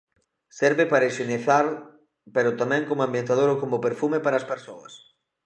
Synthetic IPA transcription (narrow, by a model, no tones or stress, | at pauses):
sɛɾβɪpaɾɐiʃeniθaɾ | peɾʊt̪amɛ̃ŋkomoambjent̪aðoɾokomʊpeɾfumepaɾɐːspeɾsoɐ̰s